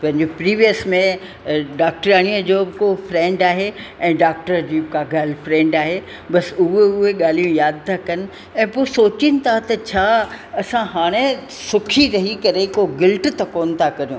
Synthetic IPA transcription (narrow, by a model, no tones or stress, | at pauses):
pɐ̃ɦɪ̃ɲd͡ʑopɾiːʋijəsmẽ | ɖaːk̚ʈɾaːɽ̃iəd͡ʑoːbɪkoːfɾɛ̃ːɳɖaːɦeɛ̃ːɖaːk̚ʈəɾd͡ʑiːbɪkʰãɡaːlɪfɾɛ̃ːɳɖaːɦe | bɐsʊɦeʊɦeɠaːl̤ijũjaːd̪̚t̪ʰakɐnɪ̆ | ɛ̃ːpoːsoːt͡ɕɪnɪ̆t̪ʰat̪ɐt͡ɕʰaː | ɐsãɦaːɽ̃e | sʊkʰiɾɐɦikɐɾekoɡɪlʈt̪ɐkoːnɪ̆t̪ʰakɐɾijũː